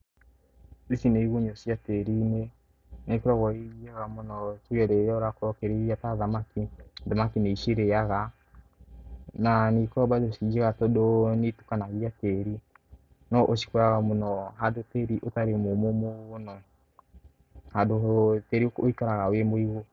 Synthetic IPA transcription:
isineiɣoɲɔsiateɾiːne | nekoɾɔɣɔiɣiaɣamonɔtojɛɾeɾɔɾakɾɔkeɾeɣiataðamakiðamakineiʃeɾeaɣa | nanikɔbaðeoʃid͡ʒeɣatɔdonetu̥kanaɣiateɾi | nɔʔoʃi̥koɾaɣamonɔɦadoteɾiʔotaɾemomomoɣonɔ | hadoteɾiooikaɾaɣawemoiɣo

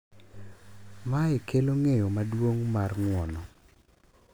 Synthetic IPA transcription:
maɛkʰeloŋejomadwoŋmarŋwɔnɔ

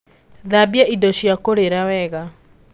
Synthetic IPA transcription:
ðabjaʔidɔɕjakoɾeɾawɛɣa

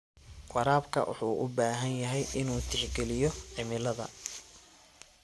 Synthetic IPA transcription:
qɑɾaːbkʰɐ̰wʊ̰ħuːʔʊbaːɦɐnjɐɦɛjʔɪnuːt̪ʰɪħɡɛlɪjɔʕɪmɪlɐðɐ̰

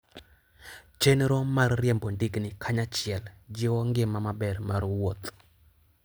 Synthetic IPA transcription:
t͡ʃenɾɔmarːjɛmbondɪɡnɪkʰaɲat͡ʃɪɛld͡ʒɪwɔŋɡɪmamabɛrmaɾwot̪

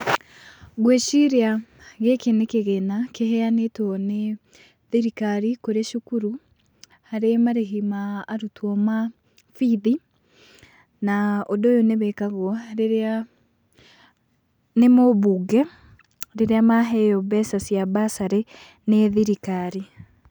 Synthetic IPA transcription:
ɣweʃiɾeaɣekenekeɣenakeɦɛanetwɔne | ðiɾikaɾikoɾeʃukuɾu | haɾemaɾeɦimaːɾutwɔma | fiði | naodojoneβɛkaɣwɔɾeɾa | nemoβuɡɛ | ɾeɾeamaɦɛjɔbɛsasjabasaɾe | neðiɾikaɾi

